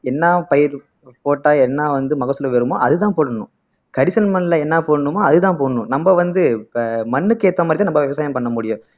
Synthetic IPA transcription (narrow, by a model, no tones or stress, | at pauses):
ɛnːaːpɐjɪɾ | poːʈːaːɛnːaːʋɐnd̪ɯmɐɣɐsɯlɐʋɛɾɯmo̰ːʔɐðɯt̪ãːpoːɽɐɳʊ̰̃ | kɐɽɪsɐlmɐnːlɐɛnːaːpoːɽːɯmoːɐðɯt̪ãːpoːɳːʊ̃nɐmbɐʋɐnd̪ɯmɐnːɯkeːt̪ːɐmad̪ɾɪtãnɐmbɐʋɪʋɐsaːjɐmpɐɳːɐmʊɽɪjʊ̃